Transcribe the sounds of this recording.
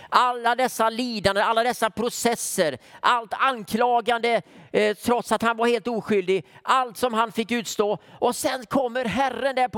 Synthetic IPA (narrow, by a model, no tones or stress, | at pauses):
ʔalːad̪ɛsːaliːd̪and̪əalːad̪ɛsːapʰɾʊsɛsːəɾʔalt̪ankʰlɑːɡand̪ət̪ʰɾɔt̪sat̪hanvaɾheːlt̪uːɧʏld̪ɪɡʔalt̪sɔmɦanfɪkːʉ̟ːt̪st̪oːʔɔsɛnkʰɔmːəɾɦærːənd̪ɛɾp